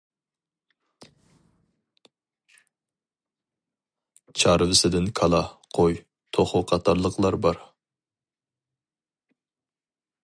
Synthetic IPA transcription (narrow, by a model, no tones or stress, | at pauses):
t͡ʃʰɑɾvɪsɪd̪ɪnkʰɑlˠɑqʰoj | t̪ʰoχʊqʰɑt̪ʰɑɾlˠəqʰlˠɑɾbɑɾ